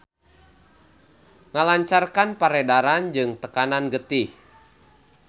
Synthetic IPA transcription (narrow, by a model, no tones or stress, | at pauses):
ŋalaɲt͡ʃarkanpaɾɛdaɾand͡ʒɨŋt̪əkananɡət̪ih